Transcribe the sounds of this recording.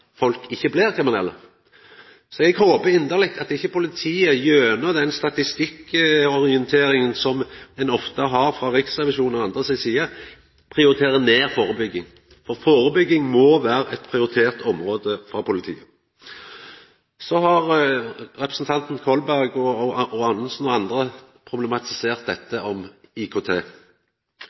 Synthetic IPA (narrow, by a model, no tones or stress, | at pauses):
fɔlkɪçːəblɪɾkʰɾɪmɪnɛ̰lːə̰ | sɔɛɡhoːbəɪnd̪əlɪk̚t̪ɑt̪ɪçːəpʊlɪt̪ʰiːəjøːnɔd̪ɛnst̪ɑt̪ɪst̪ɪkːɔɾɪɛnt̪ʰeːɾɪŋənsɔmɛnɔft̪əɦɑɾfɾɑɾɪksʁɛʋɪʃuːnɔɑnd̪ʁəsɪsiːə | pʰɾɪʊɾɪt̪ʰeːɾəneːɾfoːɾəbʏɡːɪŋ | fɔʁfoːɾəbʏɡːɪŋmɔʋæːɾəʔɛt̪pʰɾɪʊɾɪt̪ʰeːʁt̪ʰɔmʁoːd̪əfɾɑːpʰʊlɪt̪ʰḭːə | sɔɦɑɾɾɛpɾəsn̩t̪ʰɑnt̪n̩kʰɔlbæʁɡɔɔɑnəsn̩ɔɑnd̪ɾəpʰɾʊblɛmɑt̪ʰɪ̥seːʁt̪̚d̪ɛt̪ːəʔɔmɪkʰoːt̪ʰeː